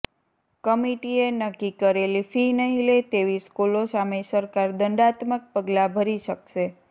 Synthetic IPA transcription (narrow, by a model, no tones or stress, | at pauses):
kəmiʈienəkːikəɾelifinəɦilet̪eʋiskulosamesəɾkaɾd̪əɳɖat̪mək̚pəɡlabʱəɾiʃəkʃe